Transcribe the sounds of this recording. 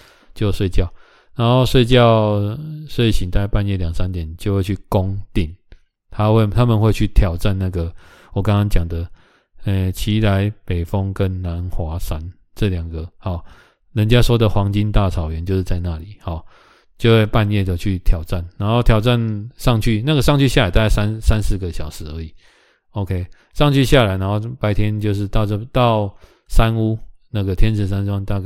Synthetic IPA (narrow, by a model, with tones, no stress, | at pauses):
t͡ɕjo˥˧ʊʂwe˥˧ɪt͡ɕjɑ˥˨ʊ | na˨˦nxo˥˧ʊʂwe˥˧ɪt͡ɕjɑ˥˨ʊswe˥˩ɪɕi˨˩nt̪a˥˧ɪpa˥˧njɛ˥˩ljɑ˨˩ŋsa˦nt̪jɛ˨˩˦nt͡ɕjo˥˧ʊwe˥˧ɪt͡ɕʰy˥˩ko˦ŋt̪i˥˩n | t̪ʰa˦we˥˧t̪ʰa˦mə˨nwe˥˧ɪt͡ɕʰy˥˩t̪ʰjɑ˨˩ʊʈ͡ʂa˥˧nna˥˩ɡə˩ | wɔ˨˩kɑ˦ŋkɑ˥ŋt͡ɕjɑ˨˩ŋd̪ə˦ | ɛ˨˧t͡ɕʰi˧˦˥la˧˦ɪpe˨˩ɪfɔ˦ŋkə˦nna˨˧˦nxwa˨˦sa˦n | t͡sɤ˥˨ljɑ˨˩ŋɡə˩hɔ˨˩ | lə˨˦nt͡ɕja˦ʂwɔ˥d̪ə˨xwɑ˧˥ŋt͡ɕi˦nt̪a˥˨t͡sʰɑ˨˩ʊɥɛ˨˦nt͡ɕjo˥˧ʊʂ̩˥˧˩t͡sa˥˧ɪna˥˨li˨˩˦hɔ˨˩ | t͡ɕjo˥˧ʊxwe˥˧ɪpa˥˧njɛ˥˨t̪o˧˨˩t͡ɕʰy˥˩t̪ʰjɑ˨˩ʊʈ͡ʂa˥˩nna˧˥nxo˥˩ʊt̪ʰjɑ˨˩ʊt͡sa˥˨nʂɑ˥˧ŋt͡ɕʰy˥˧na˥˩ɡə˩ʂ̬ɑ˥˧ŋt͡ɕʰy˥˧ɕja˥˩a˨ɪt̪a˥˧ka˥a˦nsa˦nsɹ̩˥˩ɡə˨ɕjɑ˨˩ʊʂɻ̩˧˥ə˧˦i˨˩˦ | o˧˦ʊkʰe˦ɪ | ʂɑ˥˧ŋt͡ɕʰy˥˧ɕja˥˩la˨˦ɪna˧˦nxo˥˩ʊpa˧˦ɪt̪ʰjɛ˦nt͡ɕjo˥˧ʊʂ̬ɻ̩˥˧t̪ɑ˥˧ʊ˥˧t̪ɑ˥˨ʊ | sa˦nu˥na˥˩ɡə˨t̪ʰjɛ˥nʂʰɻ̩˨˩s̬a˦na˥ŋt̪a˥˧ɡ